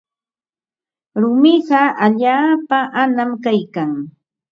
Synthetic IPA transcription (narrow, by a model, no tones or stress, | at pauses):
ɾʊmɪɢɑʔaʎaːpaʔanamkajkaŋ